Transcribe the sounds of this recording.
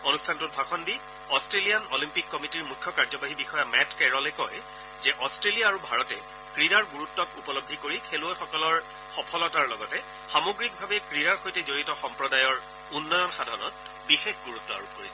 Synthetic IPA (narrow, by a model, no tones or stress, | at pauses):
onustʰantʊt̚bʱaxɔndi | ɔstɹelijanolimpikːɔmitiɹmukʰːɔkaɹzɔbaɦibixɔjamɛtkɛɹɔlɛkɔj | zɛʔɔstɹelijaːɹubʱaɹɔtɛ | kɹidaɹɡuɹutːɔtupɔlobʱːikoɹikʰeluɔjxɔkɔlɔɹ | xɔpʰɔlɔtaɹlɔɡɔtɛ | xamoɡɹik̚bʱabɛkɹiɾaɹxojtɛzoɹitɔxɔmpɹɔdajɔɹ | unːɔjɔnxadʱaɔnɔt̚bixexɡuɹutːɔa̰ɹupoɹisɛ